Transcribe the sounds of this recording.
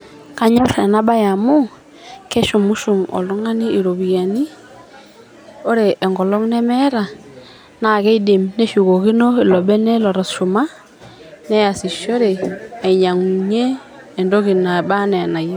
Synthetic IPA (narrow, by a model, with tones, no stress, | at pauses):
ka˦ɲɔ˦ɾɛ˨na˦ba˦ja˨mu˦ | kɛ˦ʃu˨mu˦ʃu˨mɔ̰˨lɔ˦ŋa˦ni˦i˨ɾo˨βi˨ɣa˨ni˦ | o˦ɾe˨ʔːŋɡɔ˨lɔ˦ŋnɛ˦mɛ˦ɾa˨ | na˨kɛ˦i˦de˨mne˦ʃu˨ɣo˨ki˦no˦i˨lɔ˨bɛ˦nɛ˦lɔ˨ɾɔ˨sʃu˨ma˦ | nɛ˦ja˨si˨ʃo˦ɾe˨a˨i˨ɲa˨ŋɲeː˦˨ | ndo˦ki˨na˨ba˦nɛ˨na˨je˦